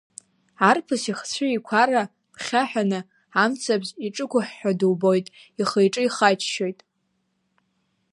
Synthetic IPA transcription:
arpʰɨsiχt͡sʷʰʊikʷʰaɾa | pʰχʲaħᶣanɨ | amt͡sʰabziʈ͡ʂʼɨkʷʊħːaduwbo̞jtʼ | iχejʈ͡ʂʼɨiχajt͡ʃʰʃo̞jtʼ

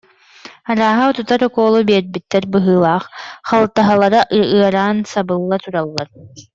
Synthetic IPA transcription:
aɾaːɦaɔt̪ut̪aɾɔkɔːlˠubiɛɾbit̪ːɛɾbɯɦɯːlˠaːχχalˠt̪aɦalˠaɾaʔɯɐɾaːnsabɯlˠːat̪uɾalˠːaɾ

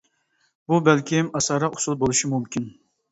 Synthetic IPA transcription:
bubɛlkʲʰɪmɑsɑɾɑʊ̥sulˠbolˠuʃimumkʲʰin

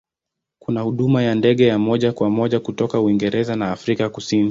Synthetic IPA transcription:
kunahuɗumajandɛɠɛjamɔʄakwamɔʄakutɔkauiŋɡɛɾɛzanaːfɾikakusini

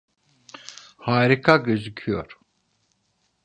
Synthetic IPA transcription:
haːɾikʰaɡɯzɯcʰyjo̰ɾ̥

